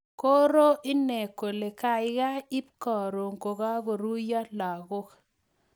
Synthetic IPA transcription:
ko˦ɾo˦ʔɪ˦ne˨ko˨le˨ka˨ɪ˦ɡa˦ɪ˦p̚kɔ˨ɾo˨ŋko˨ɡa˦ɡo˨ɾu˦ja˦la˨ɣo˦k

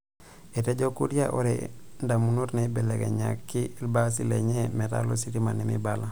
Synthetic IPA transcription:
e˨te˦ɟo˦ku˦ɾi˦aʔo˨ɾe˨nda˨mu˦nu˦ɾne˨˦bɛ˨le˨ɡḛ˨ɲa̰˨kːiː˦lbas̬i˦lḛ˨ɲemɛ˨ta̰˦lo̰˦siɾima̰˨nimḭ˦bala˨

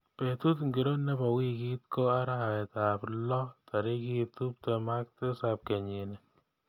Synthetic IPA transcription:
pe˨t̪u˦tŋɡi˨ɾo˦nɛ˦bɔ˨wi˦ki˦t̪̚ko˦a˦ɾa˦a˨ɛ˨ta˨plɔ˦t̪a˨ɾi˦ki˦t̪u˦p̚to˨ma˦k̚te˦sap̚kɛ˨ɲi˨nɛ˨

